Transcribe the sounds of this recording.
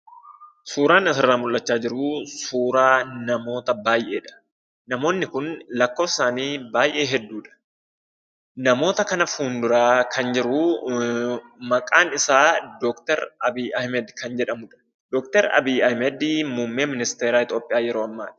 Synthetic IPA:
suːɾaːnɐsɪrːaːmʊlːɐt͡ʃːaːd͡ʒɪɾʊsuːɾaːnɐmo̞ːt̪ɐbaːjʔe̞ːᶑɐ̥ | nɐmo̞ːnːɪkʊnlɐkːo̞ːfɪ̥saːniːbaːjʔe̞ːɦɛd̪ːuːᶑɐ̥ | nɐmo̞ːt̪ɐkɐnɐfuːnd̪ʊɾaːkʰɐnd͡ʒɪɾʊ | mɐkʼaːnɪsaːd̪ɔːkt̪ɛɾɐbiːʔɐhmɛd̪kɐnd͡ʒɛᶑɐmʊᶑɐ̥ | d̪̥ɔːkt̪ɛɾɐ̰biːɐhmɛd̪muːmːeːmɪnɪst̪eːɾaːɪt̪o̞ːpʼːɪjaːjɛɾo̞ːɐmːa̰ːᶑɐ̥

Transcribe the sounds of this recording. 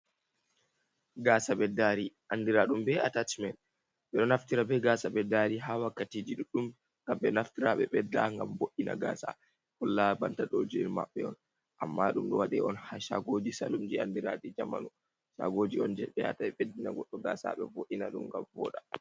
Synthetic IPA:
ɡasaɓɛdaːɾiʔandiɾaɗumbɛatatmɛn | ɓɛɗɔnaftiɾabɛɡaːsaɓɛdaɾiɦaːwakːatiːd͡ʒiɗuɗum | ŋɡ̥amɓɛnaftiɾaɓɛɓɛdaŋɡamboʔːina̰ɡa̰ːsa̰ | hɔlːabantaɗod͡ʒiiɾma̰ɓːɛɔn | ʔamːaɗumɗɔwaɗɛɔnhaʃa̰ɡoːd͡ʒisa̰lumd͡ʒiandiɾadid͡ʒama̰nu | ʃa̰ɡoːd͡ʒiɔnd͡ʒɛɓɛa̰taɛɓedːinaɡɔɗːɔɡa̰ːsa̰ɓɛ̰voʔːinaɗumŋɡamvɔ̰ːɗa

